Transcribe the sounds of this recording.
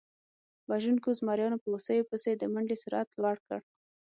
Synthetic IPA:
baʒunkozmɑɾjɑnopəosəjopəsed̪əmaɳɖesʊɾat̪lɑɽkə̰ɽ

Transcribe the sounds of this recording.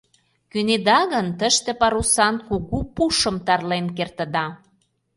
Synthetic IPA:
kyned̪ɑɣənt̪əʃt̪ĕpɑɾusɑnkukupuʃə̆mt̪ɑrlenkert̪ə̆d̪ɑ

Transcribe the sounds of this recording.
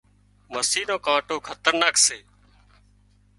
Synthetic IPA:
məsiːnõːkãːʈoːkʰət̪əɾnaːkseː

